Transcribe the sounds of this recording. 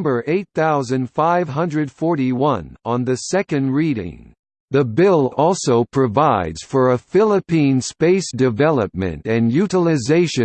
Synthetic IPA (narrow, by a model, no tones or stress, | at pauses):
mbə˞ʔeɪt̪̚θaʊzɨ̃nd̥faɪv̥ɦʌ̃ndɹɨd̥fɔɹɾiwʌ̃nə̃nðɨsɛkɨ̃ndɹiɾɪ̰̃ŋ | ðɨbɪlˠɔlˠsoʊpʰɹ̥ɨvaɪdz̥fə˞əfɪlˠəpĩnspeɪsd̥ɨvɛlˠəp̚mɨ̰̃ntɨ̃njʉɾəl̩ˠɨzeɪʃɨ̃